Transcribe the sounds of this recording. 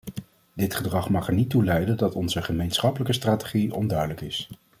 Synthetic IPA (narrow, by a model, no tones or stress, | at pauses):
dɪtχədrɑχmɑχɛɹnitulɛjdəndɑtɔnzəχəmejnsχɑpələkəstraːte̥χiɔ̰ndœɥdələkɪs